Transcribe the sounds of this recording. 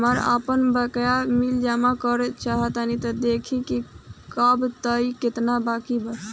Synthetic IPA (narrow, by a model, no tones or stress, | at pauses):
məɾə̰pənbəkjamild͡ʒamakəɾt͡ʃaɦət̪ənit̪əd̪ekʰikikəbt̪əiket̪nabakibəs